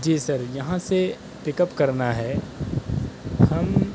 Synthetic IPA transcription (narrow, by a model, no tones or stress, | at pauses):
d͡ʒiːsɐɾjɐɦãse | pɪkəpkɐɾnaɦɛː | hɐm